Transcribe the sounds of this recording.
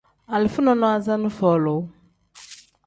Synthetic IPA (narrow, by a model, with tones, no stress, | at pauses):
a˨li˨fu˦nɔ˨nɔ˦a˨za˦nu˦fɔ˨lo˨